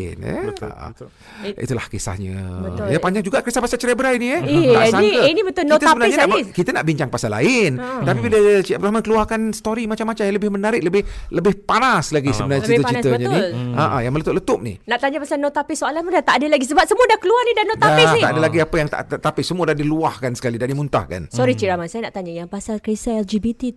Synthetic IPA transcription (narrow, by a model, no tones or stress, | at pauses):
nə̰a̰ʔə̰ | ḭt̪ula̰hkesa̰hɲə̰əjapaɲd͡ʒaŋd͡ʒuɡaʔkɾist̪apasat͡ʃəɾɛbəɾainiəasaŋkənibət̪ʊit̪əsəbənaɲəkit̪ənaʔbiɲt͡ʃaŋpasala̰ɪnt̪apibiləabd̪ulaɦmankəluarkansə̥t̪oɾimat͡ʃamːat͡ʃamjaŋləbɪhmənaɾɪʔ̚ləbɪhləbɪhpanaslaɡisəbənat͡ʃiət͡ʃit̪əɲəniaʔajaŋmələt̪ʊʔlət̪ʊp̚nḭnaʔt̪aɲapasalnot̪apɪsoalanmudat̪aʔadəlaɡisəbap̚səmuədahkəluarnidanot̪daɪa̰ʔadəlaɡiapəjaŋt̪a̰ʔt̪at̪apɪsəmuədadiluahkansə̥kalidadimunt̪a̰hka̰nsɔɾit͡ʃiɾamansajanaʔt̪aɲajaŋpasalkɾisaɛld͡ʒibit̪i